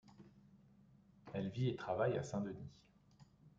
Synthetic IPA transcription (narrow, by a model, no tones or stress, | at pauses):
ɛlviet̪χavaja̰sɛ̃d̪əni